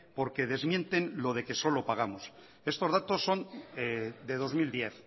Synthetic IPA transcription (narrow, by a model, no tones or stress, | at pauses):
po̞ɾke̞ð̞e̞zmjẽ̞nt̪e̞nlo̞ð̞e̞ke̞so̞lo̞paɣ̞amos | e̞st̪o̞zðat̪o̞sːo̞ned̪e̞ð̞o̞zmild̪je̞θ